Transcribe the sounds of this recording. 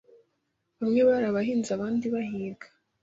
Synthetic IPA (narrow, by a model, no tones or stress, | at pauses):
βamŋeβaɾaβaɦiːnzaβaːndiβaɦiːɾɡḁ